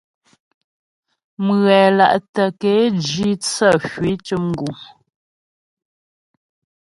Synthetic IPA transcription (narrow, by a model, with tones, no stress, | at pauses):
mɣɛ˨la̰˨ʔtə˨ke˨˦d͡ʒi˦t͡sə˦˨fɥi˨˦t͡ʃə˦ŋ̩˨ɡu˨m